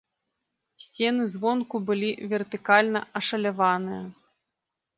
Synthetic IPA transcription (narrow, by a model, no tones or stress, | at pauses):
sʲt͡sʲɛnɨzvɔnkubɨlʲivʲɛrt̪ɨkalʲnɐɐʂɐlʲavanɨjɐ